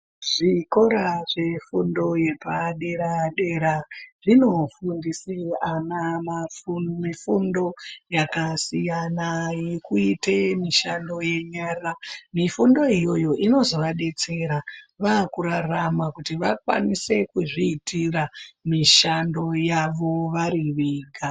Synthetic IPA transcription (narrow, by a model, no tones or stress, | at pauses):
ʐiko̞ɾaʐe̞fundo̞je̞paɗe̞ɾaɗe̞ɾaʐino̞fundisianamafumifundo̞jakasijanajekuite̞miʃando̞je̞ɲaramifundo̞ijo̞jo̞ʔino̞zo̞ʋaɗe̞t͡se̞ɾaʋakuɾaramakutiʋakwa̰nise̞kuʐiːtʰiramiʃando̞jaʋo̞ʋaɾiʋiːɡʱa